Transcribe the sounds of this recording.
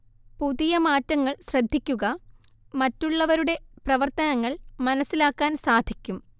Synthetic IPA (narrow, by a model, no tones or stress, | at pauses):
puðijɐmaːtːɐŋːɐɭɕrɐd̪ʱːikʲːuɣɐ | mɐtːuɭːɐʋɐɾuɽe̞prɐʋɐrt̪ɐnɐŋːɐɭmɐnɐsːilaːkːaːnsaːd̪ʱikʲːum